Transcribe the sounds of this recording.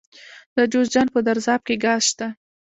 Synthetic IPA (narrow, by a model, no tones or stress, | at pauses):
d̪əd͡ʒozd͡ʒɑn̚pəd̪aɾzɑb̚keɡɑzʃt̪a